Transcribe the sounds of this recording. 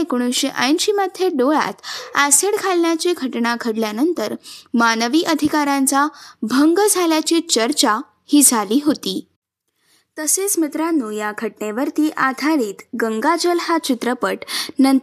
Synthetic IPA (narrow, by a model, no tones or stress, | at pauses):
ekoɽ̃uɕeʔajnɕiːmad̪ʱjeɖoɭa̰t̪aseɽkʰalnjat͡ɕiɡʱəʈɳaɡʱəɽljanənt̪əɾmanəʋiːʔəd̪ʱikaɾãnt͡sabʱəŋɡd͡zʱaljat͡ɕiːt͡ɕəɾt͡ɕa | hiːd͡zʱaliːɦot̪iː | t̪əset͡smit̪ɾanːuːjaɡʱəʈɳeʋəɾt̪iːʔad̪ʱaɾiːt̪ɡəŋɡad͡zəlhat͡ɕit̪ɾəpəʈnən